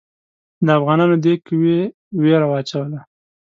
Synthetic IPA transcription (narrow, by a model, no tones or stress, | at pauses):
d̪əafɣɑnɑnod̪ekwe | weɾawɑːt͡ʃawəla